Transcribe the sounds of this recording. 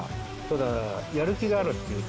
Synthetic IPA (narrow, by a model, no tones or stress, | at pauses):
t̪od̪ajaɾɯ̟kʲiɡaːɾɯ̟t̪ːeɯ